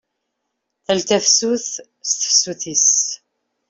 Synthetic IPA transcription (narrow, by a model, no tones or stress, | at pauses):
θəlt̪æfsuθ | st̪ə̥fsuθis